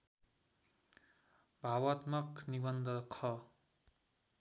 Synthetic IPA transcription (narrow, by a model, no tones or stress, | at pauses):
bʱawat̪mʌknibʌnd̪ʌkʰʌ